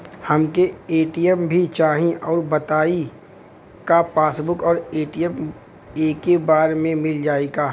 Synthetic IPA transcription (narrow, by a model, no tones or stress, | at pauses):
hɐmkeeːʈijəmbʱit͡ʃaːɦĩʔɔːɾbɐt̪aːi | kapaːsbʊkɔːɾeːʈijəm | eːkebaːɾmẽmɪld͡ʒaːeɡaː